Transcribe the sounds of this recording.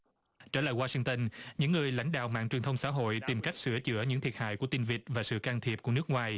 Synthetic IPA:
t͡ɕaː˧˩laː˧˨jwaː˧si˧ŋt̪ə˧nɲɨ̰˧˥ŋːɨ˨˩əjla̰˧jŋ̟ɗa̰ː˧˨wma̰ː˧˨ŋt͡ɕwi˨˩ənt̪ʰə˧wŋ͡msa̰ː˧˥ɦo̰˧˨jt̪i˨˩mka˦˥jk̟̚sɨ˧˩ət͡ɕɨ̰˧˥əɲɨ̰˧˥ŋt̪ʰi˨˩əha̰ː˧˨jku˧˩ət̪i˧nvi˨˩t̚vaː˨˩sɨ̰˧˨kaː˧ŋt̪ʰi˨˩əp̚ku˧˩ənɨ˦˥k̚ŋwaː˨˩j

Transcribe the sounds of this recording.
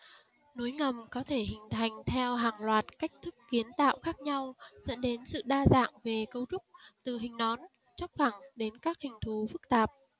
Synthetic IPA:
no˨˦jŋə˨˩mkɔ˨˦t̪ʰe˧˩ɦï˨˩ŋ̟t̪ʰa˨˩jŋ̟t̪ʰɛ˧wɦaː˨˩ŋlwaː˨˩t̚ka˦˥jk̟̚t̪ʰɨ˦˥kːi˨˦ənt̪a̰ː˧˨wxaː˦˥k̚ɲa˧wzə̰˧˥nɗe˨˦nsɨ̰˧˨ɗaː˧za̰ː˧˨ŋve˨˩kə˧wt͡ɕʊ˦˥k͡p̚t̪ɨ˨˩ɦï˨˩ŋ̟ɗɔ˨˦n | t͡ɕɔ˦˥p̚fa˧˩ŋɗe˨˦nkaː˦˥k̚hï˨˩ŋ̟t̪ʰu˨˦fɨ˦˥k̚t̪aː˨˩p̚

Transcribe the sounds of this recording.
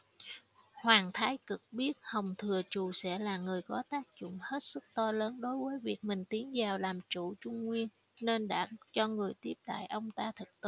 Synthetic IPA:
hwaː˨˩nt̪ʰaː˨˦jkɨ˨˩k̚ɓi˦˥ət̚hə˨˩wŋ͡mt̪ʰɨ˨˩ət͡ɕu˨˩sɛ̰˧˥laː˨˩ŋɨ˨˩əjkɔ˨˦t̪aː˦˥k̚zʊ̰˧˨ŋ͡mhe˦˥t̚sɨ˦˥k̚t̪ɔ˧ləː˨˦nɗo˨˦jvəː˨˦jvi˨˩ək̚mï˨˩ŋ̟t̪i˨˦ənzaː˨˩wlaː˨˩mt͡ɕṵ˧˩t͡ɕʊ˧ŋ͡mŋwi˧ən | ne˧nɗa̰ː˧˥t͡ɕɔ˧ŋɨ˨˩əjt̪i˦˥əp̚ɗa̰ː˧˨jʔə˧wŋ͡mt̪aː˧t̪ʰɨ˨˩k̚t̪ɨ˧˨˦

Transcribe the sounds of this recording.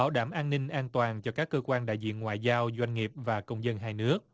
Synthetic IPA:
aː˧˩˦wɗaː˧˩mʔaː˧nnï˧ŋ̟ʔaː˧nt̪waː˨˩nt͡ɕɔ˧kaː˦˥kːəː˧kwaː˧nɗa̰ː˧˨jzḭ˧˨ənŋwa̰ː˧˨jzaː˧wzwa˧jŋ̟ŋi˨˩əp̚vaː˨˩kə˧wŋ͡mzə˧nɦaː˧jnɨ˦˥ək̚

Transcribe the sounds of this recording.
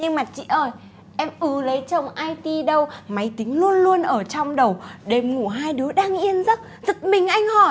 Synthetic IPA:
ɲɨ˧ŋmaː˨˩t͡ɕḭ˧˨ʔəː˧˩j | ʔɛ˧mʔɨ˨˦lə˨˦jt͡ɕə˧˩wŋ͡mʔaː˧jt̪i˧ɗə˧wma˨˦jt̪ï˨˦ŋ̟lu˧ənlu˧ənʔəː˧˩t͡ɕɔ˧wŋ͡mɗə˨˩wɗe˨˩mŋu˧˩ɦaː˧jɗɨ˨˦əɗaː˧ŋʔi˧ənzə˦˥t̚ | zɨ˨˩t̚mï˨˩ŋ̟ʔa˧jŋ̟hɔ˧˩

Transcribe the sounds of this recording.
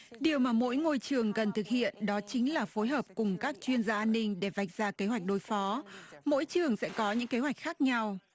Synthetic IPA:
ɗi˨˩əwmaː˨˩mo̰˧˥jŋo˧jt͡ɕɨ˨˩əŋkə˨˩nt̪ʰɨ˨˩k̚hḭ˧˨ənɗɔ˨˦t͡ɕï˨˦ŋ̟laː˨˩fo˨˦jɦəː˨˩p̚kʊ˨˩ŋ͡mkaː˦˥k̚t͡ɕwi˧ənzaː˧ʔaː˧nːï˧ŋ̟ɗe˧˩va˨˩jk̚zaː˧ke˨˦ɦwa˨˩jk̟̚ɗo˨˧˩jfɔ˨˦mo̰˧˥jt͡ɕɨ˨˩əŋsɛ̰˧˥kɔ˨˦ɲɨ̰˧˥ŋke˨˦ɦwa˨˩jk̚xaː˦˥k̚ɲa˧w

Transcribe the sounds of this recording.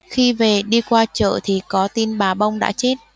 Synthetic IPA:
xi˧ve˨˩ɗi˧kwaː˧t͡ɕə̰ː˧˨t̪ʰi˨˩kɔ˨˦t̪i˧nɓaː˨˩ɓa˧wŋ͡mɗa̰ː˧˥t͡ɕe˦˥t̚

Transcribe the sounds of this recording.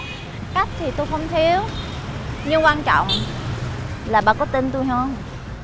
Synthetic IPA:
ka˦˥jk̚t̪ʰi˨˩t̪u˧jxə˧wŋ͡mt̪ʰi˨˦əw | ɲɨ˧ŋkwaː˧nt͡ɕɔ̰˧˨wŋ͡m | laː˨˩ɓa̰ː˧˩kɔ˨˦t̪i˧nt̪u˧jɦə˧ŋ͡m

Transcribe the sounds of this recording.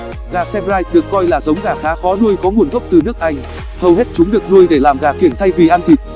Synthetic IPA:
ɣaː˨˩sɛ˧mzaː˧j̚ɗɨ˨˩əkːɔ˧jlaː˨˩zə˨˦wŋ͡mɣaː˨˩xaː˨˦fɔ˨˦nu˧jkɔ˨˦ŋu˨˩ənɣə˦˥wk͡p̚t̪ɨ˨˩nɨ˦˥ək̚ʔa˧jŋ̟ | h̪ə˧whe˦˥t̚t͡ɕʊ˨˦ŋ͡mɗɨ˨˩ək̚zu˧əjɗe˧˩laː˨˩mɣaː˨˩ki˧˩ənt̪ʰa˧jvi˨˩ʔaː˧nt̪ʰi˨˩t̚

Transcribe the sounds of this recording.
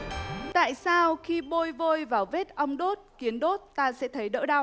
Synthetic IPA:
t̪a̰ː˧˨jsaː˧wxi˧ɓo˧jvo˧jvaː˨˩wve˦˥t̚ʔə˧wŋ͡mɗo˦˥t̚ki˨˦ənɗo˦˥t̚t̪aː˧sɛ̰˧˥t̪ʰə˨˦jɗə̰ː˧˥ɗa˧w

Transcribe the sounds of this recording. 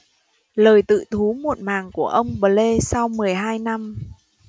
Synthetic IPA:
ləː˨˩jt̪ɨ̰˧˨t̪ʰu˨˦mo˨˩t̚maː˨˩ŋku˧˩əʔə˧wŋ͡mɓəː˨˩le˧sa˧wmɨ˨˩əjɦaː˧jna˧m

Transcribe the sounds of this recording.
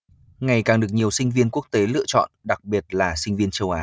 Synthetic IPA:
ŋa˨˩jkaː˨˩ŋɗɨ˨˩ək̚ɲi˨˩əwsï˧ŋ̟vi˧ənku˦˥ək̚t̪e˨˦lɨ̰˧ət͡ɕɔ̰˧˨nɗa˨˩k̚ɓi˨˩ət̚laː˨˩sï˧ŋ̟vi˧ənt͡ɕə˧wʔaː˨˦

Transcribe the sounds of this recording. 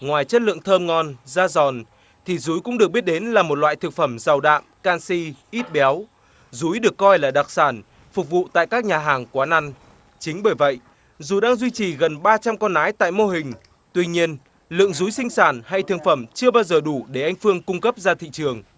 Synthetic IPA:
ŋwaː˨˩jt͡ɕə˦˥t̚lɨ̰˧˨əŋt̪ʰəː˧mŋɔ˧nzaː˧zɔ˨˩n | t̪ʰi˨˩zu˨˦jkʊ̰˧˥ŋ͡mɗɨ˨˩ək̚ɓi˦˥t̚ɗe˨˦nlaː˨˩mo˨˩t̚lwa̰ː˧˨jt̪ʰɨ˨˩k̚fə˧˩mza˨˩wɗa̰ː˧˨mkaː˧nsi˧ʔi˦˥t̚ɓɛ˨˦w | zu˨˦jɗɨ˨˩ə˩kːɔ˧jlaː˨˩ɗa˨˩k̚saː˧˩n | fʊ˨˩k̚vṵ˧˨t̪a̰ː˧˨jkaː˦˥k̚ɲaː˨˩ɦaː˨˩ŋkwaː˨˦na˧ŋ | t͡ɕï˨˦ŋ̟ɓəː˧˩jvə̰˧˨j | zu˨˩ɗaː˧ŋzwi˧t͡ɕi˨˩ɣə˨˩nɓaː˧t͡ɕa˧mkɔ˧nʔaː˨˦jt̪a̰ː˧˨jmo˧ɦï˨˩ŋ̟ | t̪wi˧ɲi˧ən | lɨ̰˧˨əŋzu˨˦jsï˧ŋ̟saː˧˩nha˧jt̪ʰɨ˨˩əŋfə˧˩mt͡ɕɨ˧əɓaː˧wzəː˨˩ɗu˧˩ɗe˧˩ʔa˧jŋ̟fɨ˧əŋkʊ˧ŋ͡mkə˦˥p̚zaː˧t̪ʰḭ˧˨t͡ɕɨ˨˩əŋ

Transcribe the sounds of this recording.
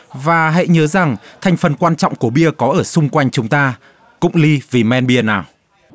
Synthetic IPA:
vaː˨˩ɦḛ˧˨ɲəː˨˦za˨˩ŋt̪ʰa˨˩jŋ̟fə˨˩nkwaː˧nt͡ɕɔ̰˧˨ŋ͡mku˧˩əɓi˧əkɔ˨˦ʔəː˧˩sʊ˧ŋ͡mkwa˧jŋ̟t͡ɕʊ˨˦ŋ͡mt̪aː˧ | kʊ̰˧˥ŋ͡mli˧vi˨˩mɛ˧nɓi˧ənaː˨˩w

